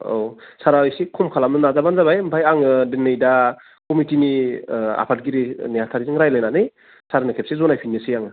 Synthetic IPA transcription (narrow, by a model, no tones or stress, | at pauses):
osaɾajsikʰɔmkʰalamnɯnazabanzaβajmpʰajaŋɯdenːɯjda | kɔmitinia̰pʰat̚ɡiɾinejatʰaɾizɯŋɾajlajnanɯj | saɾnɯkʰep̚sezɔnajpʰinːesɯjaŋɯ